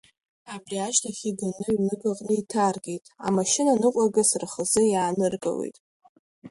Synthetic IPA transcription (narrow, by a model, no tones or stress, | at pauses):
abriaʒtʰaχʲiɡanɨinɨɡaqʼnɨitʰarɡʲejtʼa̰maʃɪnanɨqʷʼaɡasraχəzɨjaːnɨrɡʼa̰wḛjtʼ